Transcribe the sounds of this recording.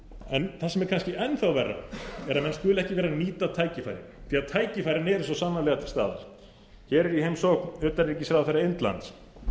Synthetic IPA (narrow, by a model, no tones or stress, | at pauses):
ɛnθasɛmɛɾ̥kʰanscɪʔɛnθawvɛrːa̰ɛɾamɛnst̪vʏːlɛhcɪvɛːɾaniːt̪at̪ʰaːjcɪfa̰jɾɪ̰θʰiːaðt̪ʰaːjcɪfajɾɪnɛɾɛns̬ɔsaːnːalɛːɣat̪ʰɪlst̪a̰ːða̰ɾ̥ | çɛːɾɛɾihejmsɔkʏːt̪aɾɾɛcːɪsɾawðθɛɾaɪnt̪la̰nt̪s